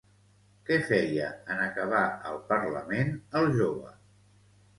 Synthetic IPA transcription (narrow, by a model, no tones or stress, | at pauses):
kɛfɛjəənəkəβ̞aəlˠpərləmenəlˠʒoβə